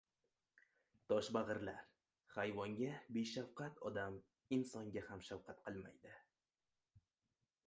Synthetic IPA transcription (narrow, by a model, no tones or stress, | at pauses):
t̪ʰɒʃbaʁɨɾlaɾ | hajvɒŋɡʲabeʃawqʰat̪ʰɒd̪am | ɪnsɒŋɡʲahamʃawqʰat̪̚qʰɨlˠma̰jd̪ɪ